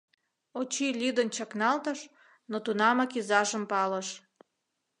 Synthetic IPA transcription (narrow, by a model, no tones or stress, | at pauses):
ot͡ɕilʲyd̪ənt͡ɕɑknɑlt̪əʃ | not̪unɑmɑkizɑʒəmpɑləʃ